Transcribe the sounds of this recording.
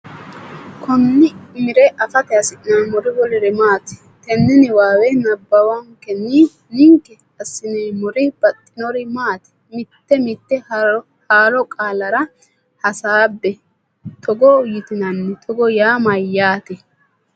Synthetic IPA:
kʰɔnːɪmɪɾɛʔɐfɐt̪ɛɐsɪʔnanmɔɾɪwɔlɪɾɛmaːt̪ɪ̥ | t̪ɛnːɪnɪwaːwɛnɐbːɐwɐŋkɛnɪ | nɪŋkːɛ | ɐsːɪneːmɔɾɪb̥ɐt̪ʼːɪnɔɾɪmaːt̪ɪ̥ | mɪt̪ːɛmɪt̪ːɛ | haːɾɔkʼaːlɐɾɐ | hɐsaːbːɛ | t̪ʰɔɡɔʊjɪt̪ɪnɐnːɛt̪ʰɔɡɔjaːmɐjːaːt̪ɛ

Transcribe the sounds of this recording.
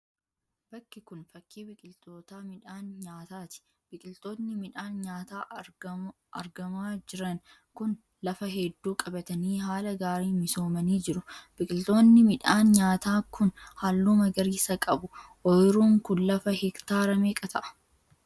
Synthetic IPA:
b̥ɐkːɪkʊnfɐkʰːiːbɪkʼɪlt̪o̞ːt̪aːmɪᶑaːnɲaːt̪aːt̪ɪ̥ | b̥ɪkʼɪlt̪o̞ːt̪nɪmɪᶑaːnɲaːt̪aː | ʔɐ̰ɾɡɐmaːd͡ʒɪɾɐŋ | kʊn | lɐfɐɦɛd̪ːuːkʼɐbɐt̪ɐniːɦaːlɐɡaːɾiːmɪso̞ːmɐniːd͡ʒɪɾʊb̥ɪkʼɪlt̪o̞ːnːɪmɪᶑaːnɲaːt̪aːkʊnhalːuːmɐɡɐɾiːsɐkʼɐbʊʔɔjɪɾuːŋkʊnlɐfɐhɪkt̪aːɾɐmeːkʼɐt̪ʰɐʔɐ̥

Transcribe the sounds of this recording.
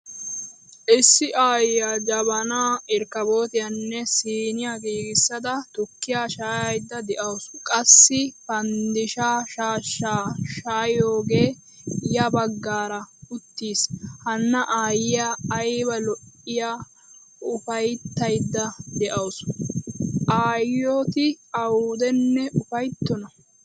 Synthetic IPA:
ʔɪsːɪʔaːjjaːd͡ʒɐβɐnaːɪɾkɐbo̞ːt̪ɪjɐnːɛsiːnɪjaːkʼiːɡɪsːɐd̪ɐt̪ʊkːɪjaːʃaːjɐjd̪ːɐd̪ɛʔɐwʊskʼɐsːɪpɐnd̪ɪʃaːʃaːʃːaːʃaːjo̞ːɡe̞ː | jɐbɐɡːaːɾɐʊt̪ːiːshɐnːɐʔaːjɪjaːjbɐlɔʔɪjaː | ʊfɐjt̪ːɐjd̪ːɐd̪ɛʔɐws | ʔaːjoːt̪ɪɐwuːd̪ɛnːɛʔʊfɐjt̪ːɔnɐ

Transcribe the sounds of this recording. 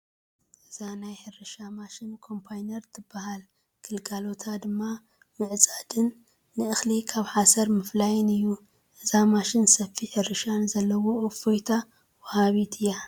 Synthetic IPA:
ʔɨzanajħɨɾɨʃamaʃɪnkʰo̞mpʰajnɐɾt̪ʰɨbːahal | kʰɨlɡʼalo̞t̪ʰad̪ɨmːa | mɨʕt͡sʼad̪ɨnː | ɨɨxlikʰaβħasɐɾmɨflajnɨjːu | ʔɨzamaʃɪnsɐfiħɨɾɨʃanzɐlːɐwoʔːfojt̪ʰa | wɔhaβit̪ʰɨjːa

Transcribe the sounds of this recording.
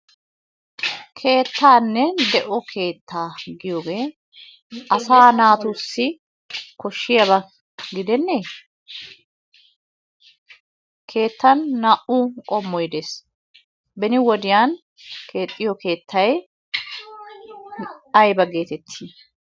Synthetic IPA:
kʰe̞ːt̪ʰːaːnːɛd̪ɛʔɔkʰe̞ːt̪ʰːaːɡɪjoːɡe̞ː | ɐsaːnaːt̪ʊsːɪ | kɔʃːɪjɐβɐ | ɡɪd̪ɛnːe | kʰe̞ːt̪ːɐnːaʔukʼɔmːɔjd̪eːs | bɛnɪwɔd̪ɪjaːn | kʰe̞ːt̪ʼːɪjɔke̞ːt̪ʰːɐj | ɐjbɐɡe̞ːt̪ɛt̪ʰːiː

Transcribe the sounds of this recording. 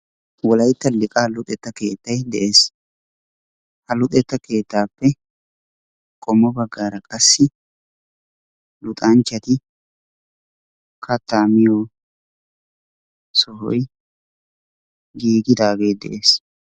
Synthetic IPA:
wɔlɐjt̪ːɐlɪkʼaːlʊt̪ʼɛt̪ːɐke̞ːt̪ːɐjd̪ɛʔe̞ːs | hɐlʊt̪ʼɛt̪ːɐke̞ːt̪ːaːpːɛ | kʼɔmːɔbɐɡːaːɾɐkʼɐsːɪ | lʊt̪ʼɐnt͡ʃːɐt̪ɪ | kʰɐt̪ːaːmɪjoː | sɔhɔj | ɡiːɡɪd̪aːɡeːd̪ɛ̰ʔeːs

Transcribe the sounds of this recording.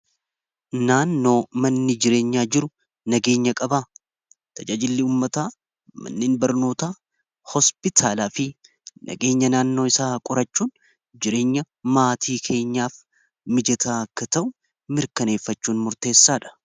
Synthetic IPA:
naːnːo̞ːmɐnːɪd͡ʒɪɾe̞ːɲːaːd͡ʒɪɾʊ | nɐɡe̞ːɲːɐkʼɐbaː | t̪ʰɐd͡ʒaːd͡ʒɪlːɪuːmːɐt̪aː | mɐ̰nːeːnbɐɾno̞ːt̪a | hɔspɪt̪ʰaːlaːfɪ | nʔɐ̰ɡe̞ːɲːɐnaːnːo̞ːɪsaːkʼʊɾɐt͡ʃːuːn | d͡ʒɪɾe̞ːɲːɐ | maːt̪ʰiːkʰe̞ːɲːaːf | mɪd͡ʒɛt̪ʰaːkːɐt̪ɐʔʊ | mɪɾkɐne̞ːfːɐt͡ʃːuːnmʊɾt̪e̞ːsːaːᶑɐ̥

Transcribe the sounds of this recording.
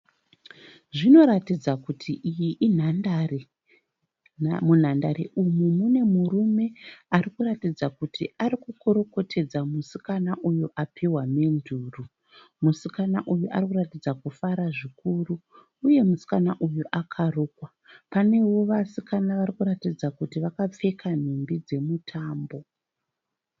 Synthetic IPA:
ʐino̞ɾatid͡zakutʰiʔijiʔin̤andare | mun̤andaɾḛʔumumune̞muɾume̞aɾikuɾatid͡zakutʰiaɾikukoɾo̞ko̞tʰe̞d͡zamusikanaʔujuʔapʰiwame̞nduːru | musikanaʔujuʔa̰rikuratid͡zakufaɾaʐikuruː | je̞musi̥kanaʔujuʔakʰaruːkwa | pane̞wo̞ʋasikanaʋarikuɾatid͡zakutiʋakap͡fe̞kʰan̤umbid͡ze̞mutʰaːmbo̞

